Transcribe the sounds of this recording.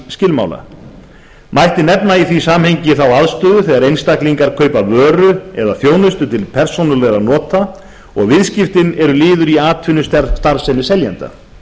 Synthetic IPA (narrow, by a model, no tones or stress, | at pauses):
scɪlma̰wla̰ | mʔajht̪ɪnɛpnaiθvisaːmheɲcɪθawaðst̪ʏːðʏθɛːɣaɾejnst̪akliŋkaɾkʰœːɥpavœːɾʏɛðaθjoːwnʏst̪ʏt̪ʰɪlpʰɛɾ̥sownʏlɛɣɾanɔːt̪a | ɔɣvɪðscɪft̪ɪnɛɾʏlɪːðʏɾiaːt̪ʰvɪnːʏst̪st̪aɾsɛnːʏsɛljɛnt̪a̰